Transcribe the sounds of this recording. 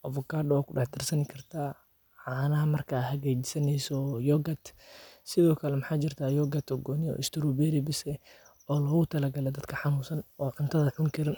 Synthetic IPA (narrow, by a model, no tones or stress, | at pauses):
ʔɐfɔkʰaːrdwaːkʊɖɑħd̪ɐrsɐnɪkʰɐrt̪ʰaː | ʕaːnɐɦɐmɐrkʰahɐɣɛːt͡ʃɪsɐnɛjsɔjɔːɡɐt̪sɪðɔːkʰɐlɛmħaːt͡ʃɪrt̪ʰaːjɔːɡɐt̪ʰɔɡɔːniɔ̰ʔɪst̪ʰɪɾɔbɛːɾɪbɪsɛ | ɔːlɔːɣʊt̪ʰɐlɐɡɐlɛd̪ɐd̪kʰɐħɑnuːsɐnɔːʕʊnt̪ʰɐðɐʕʊŋkʰɐɾɪn